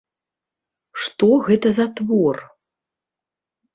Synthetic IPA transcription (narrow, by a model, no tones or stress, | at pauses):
ʂt̪ɔɣɛt̪ɐzɐt̪vɔr